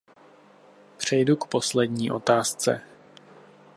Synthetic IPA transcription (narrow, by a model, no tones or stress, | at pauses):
pr̝̥ɛjdukpo̞slɛdɲiːʔo̞̰t̪aːst͡sɛ̰